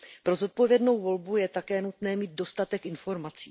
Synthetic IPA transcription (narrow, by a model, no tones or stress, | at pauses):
pɾo̞zo̞t̪̚povjɛdno̞wvo̞lbujɛt̪akɛːnut̪nɛːmiːd̪̚do̞st̪at̪ɛkʔɪnfo̞ɾmat͡sḭː